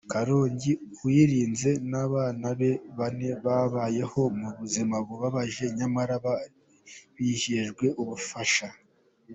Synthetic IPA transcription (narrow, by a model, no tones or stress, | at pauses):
kaɾo̞ːɲɟi | wiɾiːnze̞naβaːnaβe̞βane̞βaβaːje̞ho̞muβuzimaboβaβaʒe̞ɲamaɾaβa | βihiʒɡwe̞ʔuβufaʃa